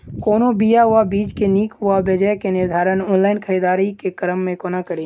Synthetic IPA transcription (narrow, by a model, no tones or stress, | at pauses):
koːnobijaɦʊʋabiːd͡ʒkeniːkɦʊabed͡ʒəjkenɪɾd̪ʱaːɾənɔːnlaːɪnkʰəɾiːd̪aːɾikekəɾəmːẽkoːnakəɽiː